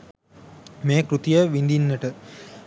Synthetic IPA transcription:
meːkɾut̪ijəʋind̪inːəʈə

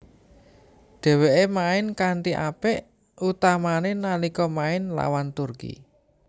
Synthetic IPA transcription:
ɖ̪̥ɛ̤weʔemaɪnkaɳʈ̪iʔapɛʔ | ut̪amanenanikɔmaɪnla̰want̪urkḭ

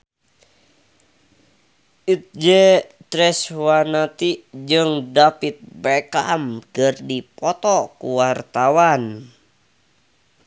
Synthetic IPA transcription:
ʔit̪̚d͡ʒɛt̪ɾɛswanat̪id͡ʒɨŋdapit̪̚bɛkamkərdipɔt̪ɔkuwart̪awan

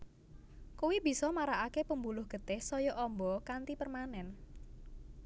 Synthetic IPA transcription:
kuwib̥i̤sɔmaɾaʔakepəmbulʊhɡ̥ə̤t̪ɪhsɔjɔʔɔmbɔkant̪ipərmanɛn

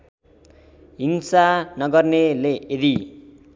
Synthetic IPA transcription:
ɦiŋsanʌɡʌrneleʔed̪i

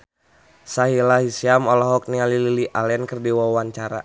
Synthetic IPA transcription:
saɦilaɦisiamɔlɔɦɔk̚nialililiʔalɛnkərdiwawaɲt͡ʃaɾa̰

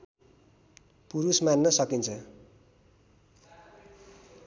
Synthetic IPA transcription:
puɾusmanːʌsʌkint͡sʰʌ

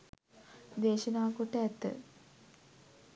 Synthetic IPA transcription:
d̪eːʃənaːkoʈəæt̪ːə̰

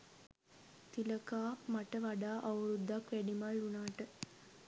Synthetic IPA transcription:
t̪iləkaːpmɐʈəʋaɖaːʔɐwɾud̪ːakʋæɖimaɭːunaːʈə

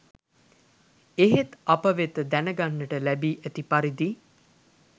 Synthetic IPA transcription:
eɦet̪apəʋet̪əd̪ænəɡanːəʈəlæbiːʔæt̪ipaɾid̪i

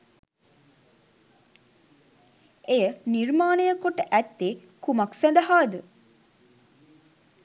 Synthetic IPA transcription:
ejənirmaːnəjəkoʈəʔæt̪ːekumaksænd̪əɦaːd̪ə

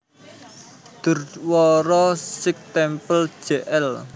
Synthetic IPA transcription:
d̪̥ʊ̤rwɔɾɔsɪk̚t̪ɛmpəl̥ʒ̥eʔɛl

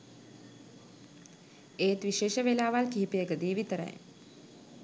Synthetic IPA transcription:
eːt̪ʋiʃeːʃəʋelaːʋalkiɦipijəɡəd̪iːʋit̪əɾə̰j

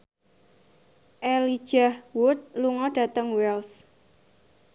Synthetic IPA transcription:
ʔɛlid̥ʒ̥ahwʊt̪̚luŋɔɖ̥ä̤t̪əŋwɛls

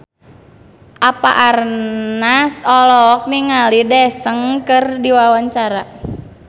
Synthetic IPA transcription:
ʔapa̰ʔarnasɔlɔk̚niŋalidɛsəŋkərdiwawaɲt͡ʃaɾa

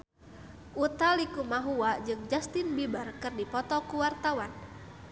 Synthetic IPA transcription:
ʔut̪alikumaɦuad͡ʒɨŋd͡ʒast̪ɪnbibarkɨrdipɔt̪ɔkuwart̪awan

